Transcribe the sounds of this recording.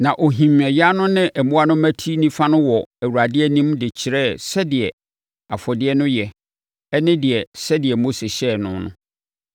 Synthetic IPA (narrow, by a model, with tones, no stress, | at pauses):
nã˨ʔo˨ɦĩ˨mɛ˨ja˦nʊ̃˦nɪ̃˦ʔɛ˨mʊ̃˦a˦nʊ̃˦mæ̃˦tʰi˦nĩ˦fa˦nʊ̃˦wɔ˨æ˨wu˨ɾa˨dɪ˦ɛ˦nĩ˦mdɪ˨t͡ɕʰɪ˨ɾɛ˦˨sɛ˦dɪ˨ɛ˨ | a˨fɔ˨dɪ˦ɛ˦nʊ̃˦jɛ˨ | ɛ˦nɪ̃˦dɪ˨ɛ˨sɛ˦dɪ˨ɛ˨mo˦se˨ɕɛ˦˨nʊ̃˦nʊ̰̃˦